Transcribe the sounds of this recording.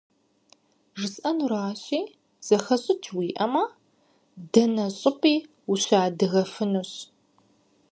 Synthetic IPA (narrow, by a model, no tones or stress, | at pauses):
ʐɨsʼʔɐnuɾaːɕiː | z̥ɐxɐɕʼɪt͡ʃʰwiːʔɐma | dɐnɐɕʼɨpʼiː | uɕaːdɨɣɐfɨnɨɕ